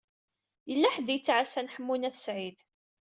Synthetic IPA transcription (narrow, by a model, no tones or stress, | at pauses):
jəlːæħəd̪jət͡sːʕasænħəmːunæθsʕið